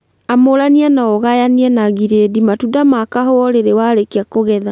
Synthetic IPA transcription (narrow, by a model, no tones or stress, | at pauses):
amoɾaniɛnaoɣajaniɛnaɣiɾedimatudamakaɦoɔɾeɾewaɾekiakoɣɛða